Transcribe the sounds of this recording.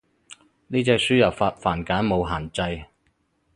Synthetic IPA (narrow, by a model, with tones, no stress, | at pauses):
niː˥t͡sɛː˧k̚syː˥jɐ˨˩faː˧t̚faː˨˩nkaː˨˥nmo˨˧wɦaː˨˩nt͡sɐ˧j